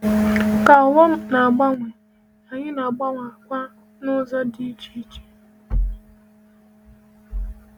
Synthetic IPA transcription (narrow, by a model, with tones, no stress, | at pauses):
ka˨wɔ˦m̩˦na˨a˨ɡ͡ba˦ŋʷe˨ | a˨ɲɪ˦na˨ɡ͡ba˦ŋʷa˨kʷa˦ | nʊ˦zɔ˦di˦t͡ʃi˦t͡ʃi̥˦